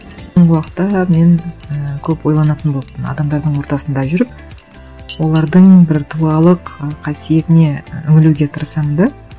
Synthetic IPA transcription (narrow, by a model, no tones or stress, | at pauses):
soɴʁəwɑqə̥t̪ːɑme̞ŋəkʲʰɵpwo̞jlˠɑnɑt̪ənbo̞lˠpt̪ːənɑ̰d̪ɑmd̪ɑɾd̪əɴwo̞ɾt̪ɑsənd̪ɑʒʏɾɪp̚ | wo̞lˠɑɾd̪əɴbɪɾt̪ʰulˠɑlˠəqqʰɑsije̞t̪ɪne̞ʏŋɪluɡʲe̞t̪ʰəɾəsɑmənd̪ɑ